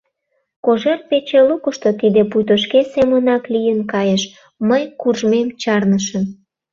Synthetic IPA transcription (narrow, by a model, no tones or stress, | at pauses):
koʒert̪̚pet͡ɕelukəʃt̪ot̪id̪epujt̪oʃkesemənɑklijənkɑjəʃ | məjkurʒmemt͡ɕɑrnəʃən